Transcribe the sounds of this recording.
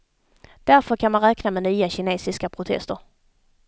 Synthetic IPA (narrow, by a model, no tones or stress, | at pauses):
d̪̥æɾfœɾkʰanmanɾɛːknamɛnyːaɕɪneːsɪskapʰɾʊt̪ʰɛ̰st̪əɾ